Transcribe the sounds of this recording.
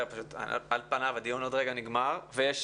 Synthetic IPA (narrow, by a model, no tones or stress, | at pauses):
paʃut̪a̰alpanavad̪ionod̪ʁeɡaniɡmaʁvejeʃ